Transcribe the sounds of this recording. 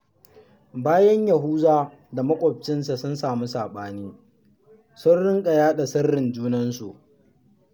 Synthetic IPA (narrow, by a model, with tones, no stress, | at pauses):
baː˦jɐ˦ɲjɐ˨ɦuː˦zaː˦ | da˨mɐ˦kʷʼɔ˨b̚t͡ʃɪ˦ns̬a˨sʊ˦nsaː˨mu˦saː˨ɓaː˦niː˦ | sʊ˦nɽɪ˦ŋkʼɐ˨jaː˦ɗa˨sɐ˦rːɪ˨nd͡ʒuː˦nɐ˦nsu˨ʔ